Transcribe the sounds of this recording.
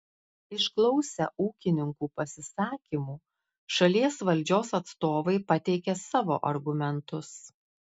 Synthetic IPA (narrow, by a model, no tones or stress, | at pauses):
ɪʃklˠɒʊsʲɛ̰ʔuːkʲɪnʲɪŋkuːpɐsʲɪsɑːkʲimuː | ʃɐlʲiɛsʋɐlʲˑd͡ʒʲoːsɐt̪st̪oːʋɐɪpɐt̪ʲɛɪkʲɛsɑːʋo̰ːʔɐɾɡʊmʲɛnt̪ʊs